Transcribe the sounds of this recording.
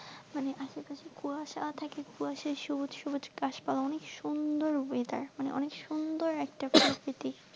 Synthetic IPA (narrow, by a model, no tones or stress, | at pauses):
maneʔaʃepaʃikuaʃat̪ʰakekuaʃaʃubut̪ʃubut̪kaʃpalaɔnekʃund̪oɾboed̪a̰ɾmanḛʔɔ̰nekʃund̪oɾɛk̚ʈapɾokɾit̪i